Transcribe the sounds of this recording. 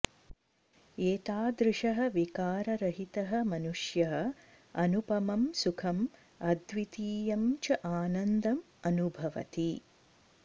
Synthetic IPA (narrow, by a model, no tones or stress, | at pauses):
eːt̪aːd̪ɾɪʃɐɦɐ̆ʋikaːɾɐɾɐɦit̪ɐɦɐ̆mɐnuʂjɐɦɐ̆ | ɐnupɐmɐmsukʰɐm | ɐd̪ʋit̪iːjɐmt͡ʃɐʔaːnɐnd̪ɐm | ɐnubʱɐʋɐ̰t̪i